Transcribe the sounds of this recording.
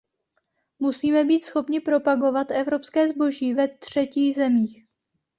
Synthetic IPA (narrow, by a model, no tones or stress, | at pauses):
musiːmɛbiːt̪sxo̞pɲɪpɾo̞paɡo̞vat̪ʔɛvɾo̞pskɛːzbo̞ʒiːvɛt̪r̝̥ɛciːxzɛmiːx